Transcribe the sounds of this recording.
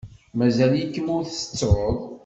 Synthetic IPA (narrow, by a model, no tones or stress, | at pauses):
mæzæljikːəmʊɾθə̥t͡sːɾəðˤ